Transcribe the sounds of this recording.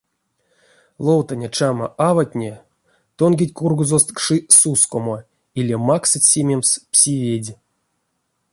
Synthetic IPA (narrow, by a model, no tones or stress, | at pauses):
lˠowt̪anʲet͡ʃama̰ʔavatʲnʲe | t̪onɡʲitʲkurɡuzost̪kʂɨsuskomo | ilʲemaksɨtʲsʲemʲemspsʲivʲedʲ